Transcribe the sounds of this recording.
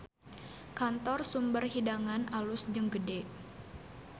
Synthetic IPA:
kant̪ɔrsumbərhidaŋanʔalʊsd͡ʒəŋɡədɛ

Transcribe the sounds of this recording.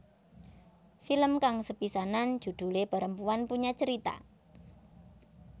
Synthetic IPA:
filəmkaŋsəpisanan̥d͡ʒ̥ṳd̪̥ṳlepəɾəmpuanpuɲat͡ʃəɾit̪a̰

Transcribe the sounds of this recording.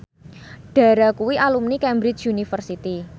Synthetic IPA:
ɖ̥a̤ɾakuwiʔalumnikɛmbɾɪt͡ʃunifərsit̪i

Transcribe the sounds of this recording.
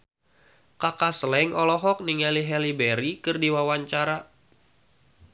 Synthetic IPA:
kakaslɛŋɔlɔɦɔk̚niŋaliɦɛlibɛɾikɨrdiwawaɲt͡ʃaɾa

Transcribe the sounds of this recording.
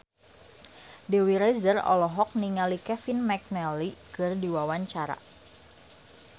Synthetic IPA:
dewiɾɛzərɔ̰lɔɦɔk̚niŋalikɛfɪnmɛk̚nɛlikɨrdiwawaɲt͡ʃaɾa̰

